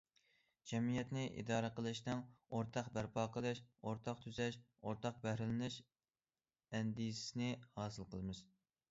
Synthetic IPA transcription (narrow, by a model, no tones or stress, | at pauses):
d͡ʒɛmijɛt̪nɪʔḭd̪ɑːɾəqəlˠɨʃnɨŋoɾt̪ʰɑqbæɾpʰɑːqəlˠɨʃoɾt̪ʰɑqt̪ʰyzɛʃ | oɾt̪ʰɑq̚bæhɾɪlɪnɪʃ | ɛnd̪ijsɪ̥sɪnɪhɑːsɨlˠqʰəlˠɨmɨz̥